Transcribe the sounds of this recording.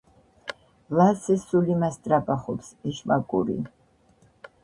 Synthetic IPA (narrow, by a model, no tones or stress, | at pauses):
lasɛsulimast̪ʼɾapʼaχɔpsɛʃmakʼuɾḭ